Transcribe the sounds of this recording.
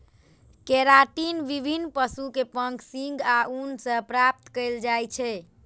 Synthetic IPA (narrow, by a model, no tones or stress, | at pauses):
keɾaʈinʋibʱinpəsukepəŋksĩŋɡaunsə̃pɾap̚t̪kəjld͡ʒajt͡ʃʰɛ